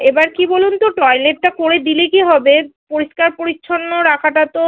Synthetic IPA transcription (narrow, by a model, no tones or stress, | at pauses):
ebaɾkibolunt̪oʈɔjleʈ̚ʈakoɾed̪ilekiɦɔbepoɾiʃkaɾpoɾitːʰonːoɾakʰaʈat̪o